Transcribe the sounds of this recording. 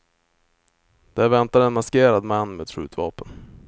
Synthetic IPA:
d̪̥æɾvɛnt̪ad̪ɛnmaskeːɾad̪manːmeːd̪ʂʉ̟ːt̪vɑ̰ːpən

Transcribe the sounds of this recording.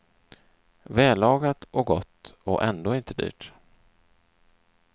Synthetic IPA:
vɛːlɑːɡat̪ɔɡɔt̪ːɔʔɛnd̪oːɪnt̪əd̪y̰ːʈ

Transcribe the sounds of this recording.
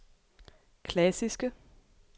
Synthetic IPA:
kʰlæsisɡ̥ə

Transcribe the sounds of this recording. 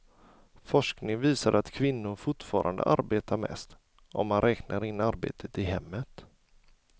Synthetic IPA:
fɔʂknɪŋviːsaɾat̪kʰvɪnːʊɾfʊʈfɑːɾʔa̰nd̪ə̰ʔa̰ɾbeːt̪ʰaɾmɛ̰st̪ | ʔɔmːanɾʔɛːknʔaɾɪnːaɾbḛːt̪ʰət̪ɪɦɛmːət̪

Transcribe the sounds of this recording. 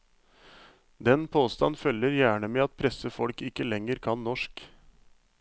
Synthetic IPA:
d̪ɛnpʰoːst̪ɑ̰nfœlːəɾjæːɳəmeːɑt̪̚pʰɾɛsəfɔlkɪkːəlɛŋəɾkʰɑnnɔʂk

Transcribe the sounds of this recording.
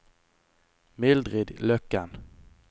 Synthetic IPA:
mɪld̪ʁɪd̪lœkːan

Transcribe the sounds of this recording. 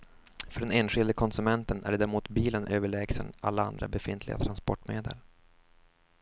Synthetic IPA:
fœɖɛneːnɧɪld̪əkʰɔnsɵmɛnt̪ənæ̰ɖd̪æːɾmuːt̪biːlənʔøːvəɭɛːɡsə̰nʔa̰lːaa̰nd̪ɾa̰bɛfɪnt̪ʰlɪɡa̰t̪ʰɾanspɔʈːmeːd̪ə̰l

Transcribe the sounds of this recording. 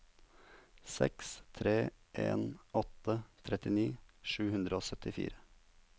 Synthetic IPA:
sɛ̰kst̪ʰɾeːʔḛːnɔt̪ət̪ʰɾɛt̪ɪniːʂʉːhʉnd̪ɾəoːsœt̪ɪfḭːɾə

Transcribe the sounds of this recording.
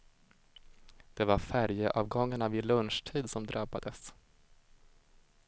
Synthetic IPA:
d̪̥ɛvaɾfæɾjəʔɑːvɡɔŋːaɳavɪlɵnʂʈʰiːd̪sɔmd̪ɾʔabad̪əs

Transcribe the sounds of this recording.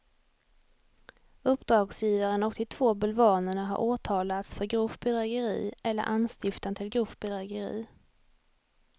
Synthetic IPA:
ɵpːd̪ɾɑːɡsjiːvaɾənɔkt̪ʰɪt̪ʰv̥oːbɵlvɑːnəɳaɦa̰ɾʔoːt̪ʰɑːlat̪sfœɾɡɾɵfbɛd̪ɾɛːɡəɾḭːʔɛlːə̰ɾʔanst̪ɪft̪ant̪ʰɪlɡɾɵfbɛd̪ɾɛːɡəɾḭː

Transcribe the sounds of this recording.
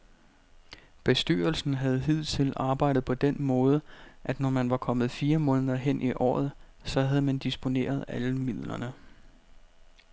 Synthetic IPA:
b̥e̝sd̥y̰ɐlsn̩ɦæð̞̩ˠɦið̞̰ˠt͡sʰe̝lɑ̈ːb̥ɑ̈ɪ̰d̥ð̩ˠpʰɒ̽d̥enmɔ̽ːð̞ˠəʔæd̥nɒmænʋɑ̈kʰɒ̽mð̞̩ˠfiːɐmɔ̽ːnəðˠɐɦen̰ʔiʔɒ̰ːð̞ˠ | sɒ̽ɦæðˠmænd̥isb̥o̝ne̝̰ːɐð̞̩ˠæləmið̞̰ˠlɐnə

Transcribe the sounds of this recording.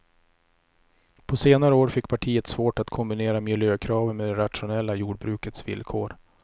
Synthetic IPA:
pʰɔseːnaɾəoːɾfɪkːpʰaʈʰiːət̪svoːʈat̪kʰɔmbɪneːɾamɪljøːkʰɾɑːvənmed̪ɛɾat̪ʂʊnɛlːajuːɖ̚bɾʉ̟ːkət̪svɪ̰lkʰo̰ːɾ

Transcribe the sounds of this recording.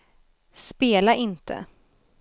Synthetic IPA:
speːlaʔɪnt̪ʰə̰

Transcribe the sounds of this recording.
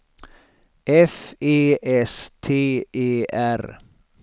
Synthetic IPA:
ʔɛfeːʔɛst̪ʰeːʔeːʔæɾ

